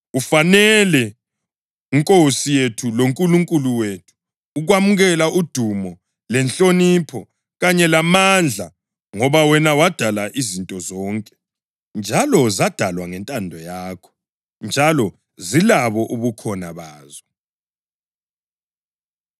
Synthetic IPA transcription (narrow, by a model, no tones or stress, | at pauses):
ufanɛlɛ | iŋkʼosijetʰuloŋkʼuluŋkʼuluwetʰu̥ː | ɣwamuɣɛlaud̥ʱumɔ | lɛnt͡ɬʼonipʰɔ | ɣaɲɛlamand͡ɮʱa | ŋɔβawɛnawad̥ʱalaʔizintʼɔzɔːŋkʼɛ | nd͡ʒʱalɔzad̥ʱalwaŋɛntʼandʱɔjaːkʰɔ̥ | nd͡ʒʱalɔ | zilaβɔʔuβukʰɔnaβaːzɔ